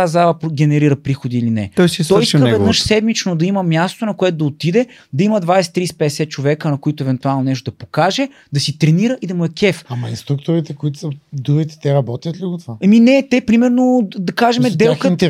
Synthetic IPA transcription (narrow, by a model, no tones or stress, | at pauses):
azalˠəpɡʲɛnɛɾiɾəpɾixod̪iːlinɛ̰t̪ɔjsist̪ɔjisk̪ɛvɛd̪nɤʃsɛd̪mit͡ʃnod̪ɐiməmʲjast̪onɐkoɛt̪ʊd̪ɐot̪id̪ɛd̪ɐiməd̪vajsɛ̥t̪ːɾispɛd̪ɛsɛt̪̚t͡ʃovɛkənɐkoit̪oɛvɛnt̪ualˠnonɛʃt̪oʊd̪ɐpokaʒɛ | d̪ɐsit̪ɾɛniɾəʔid̪ɐmuɛkʲɛfamɐinst̪ɾuk̚t̪ʊɾit̪ɛkoit̪ʊ̥səd̪uɾit̪ɛ̥t̪ɛɾɐbɔt̪ʲjət̪liɡot̪vaɛminɛt̪ɛpɾimɛɾnod̪ɐkaʒɛmɛd̪ɛlkət̪